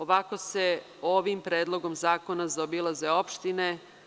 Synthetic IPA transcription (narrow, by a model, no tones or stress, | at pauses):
o̞ʋako̞se | o̞ʋimpɾeːd̪lˠo̞ɡo̞mzaːko̞nazaobilˠazeo̞pʃt̪ine